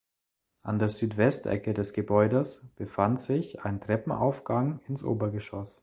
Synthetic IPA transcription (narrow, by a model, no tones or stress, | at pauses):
ʔandeːɐzyːtv̥ɛstʔɛ̰kədɛsɡ̥əbɔʏdəsb̥əfantz̥ɪçaɪntʁ̥ɛpm̩a̰ʊfɡ̥aŋɪnsʔo̰ːbɐɡəʃɔs